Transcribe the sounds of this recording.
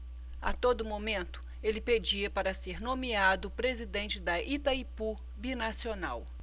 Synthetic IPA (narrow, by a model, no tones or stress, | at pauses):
a̰t̪od̪ʊmomẽnt̪ʊ̥ | elɪped͡ʒiɐpaɾɐseɾnõmiad̪ʊpɾezid̪ẽnt͡ʃɪd̪ɐʔit̪ɐipu | binasionaw